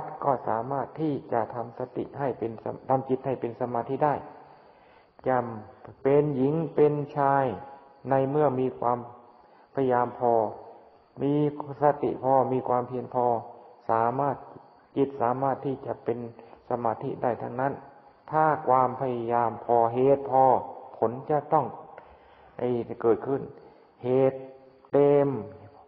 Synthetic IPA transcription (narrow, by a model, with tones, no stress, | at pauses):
t̪̚kɔː˧˩sa̰ː˨˦maː˥˩t̪ʰːiː˧˩t͡ɕa˧ʔt̪ʰa˧msa˧t̪ḭ˧˨ha˧˩jpe˧n˧t̪ʰa˧mki˧˦t̪̚ha˧˥˩jpe˧nsa˧maː˧t̪ʰi˧˥˩da˥˩˨j | t͡ɕa˧˩mpe˧nji˨˦ŋpe˧nt͡ɕʰaː˧j | na˧jmɯ˥˩əŋmiː˧kʰwaː˧m | pʰa˧ja˧jaː˧mpʰɔː˧ | miː˧sa˧t̪ḭ˨pʰɔː˧miː˧kʰwaː˧mpʰi˧ənpʰɔː˧saː˨˦maː˥˩t̪̚ | ki˧˩t̪̚saː˨˦maː˥˩t̪ʰːiː˧˩t͡ɕa˧˨ʔpe˧nsa˧maː˧t̪ʰi˧da˥˩jt̪ʰa˧ŋna˧˥˨n | t̪ʰaː˧˥˩kʰwaː˧mpʰa˧ja˧jaː˧mpʰɔː˧ɦeː˨˩t̪̚pʰɔː˧pʰo˨˧˦nt͡ɕa˧t̪ɔ˥˩ŋ | ha˧˩jkɤː˨˩t̪̚kʰɯ˧˩n | heː˨˧˩t̪̚ː | eː˧m